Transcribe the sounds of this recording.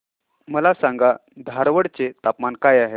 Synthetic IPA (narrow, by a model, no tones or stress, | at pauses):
məlasãŋɡad̪ʱaɾʋəɽt͡set̪apmankajaɦe